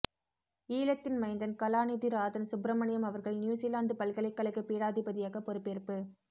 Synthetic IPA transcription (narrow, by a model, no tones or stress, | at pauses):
iːlɐt̪ːɪnmɐɪnd̪ɐnkɐlaːniðiɾaːðɐnsʊbɾɐmɐɳɪjɐmɐʋɐɾɣɐɭnjuːsilaːnd̪ɯpɐlkɐɭɐɪkːɐɭɪkːɯpiːɽaːðɪbɐðɪjaːɣɐpːɔɾɯpːeːɾpɯ